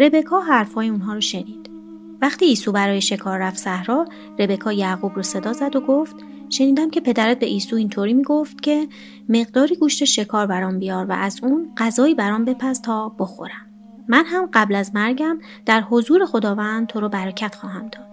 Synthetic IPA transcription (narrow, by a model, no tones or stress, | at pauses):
ɾe̞be̞kʰɒːɦæɾfhɒːjeunɦɒːɾoʃe̞niːd̪̥ | væχt̪iːsuːbæɾɒːjeʃe̞kʰɒːrːæft̪sæhɾɒː | re̞be̞kʰɒːjæɣuːbɾɔse̞d̪ɒːzæd̪oɡoft̪ | ʃe̞niːd̪æmcʰe̞pʰe̞d̪æɾæt̪̚be̞ʔiːsuːint̪ʰoːɾiːmiːɡoft̪cʰe̞ | me̞ɣd̪ɒːɾiːɡuːʃt̪eʃe̞kʰɒːɾbæɾɒːmbijɒːɾvæ̰ʔæzuːnɢ̥æzɒːiːbæɾɒːmbe̞pʰæzt̪ʰɒːb̥o̞xo̞̰ɾæmː | ænɦæmɢæblæzmæɾɟæm | d̪̥æɾho̞zuːɾe̞xo̞d̪ɒːvænd̪̥̚t̪ʰoɾobæɾæcʰæt̪xɒːɦæmd̪ɒːd̪̥